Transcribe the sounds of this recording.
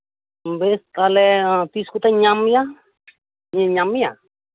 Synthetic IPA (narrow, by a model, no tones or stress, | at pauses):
mbest̪alɛt̪iskut̪aɲamja | ɲɲamja̰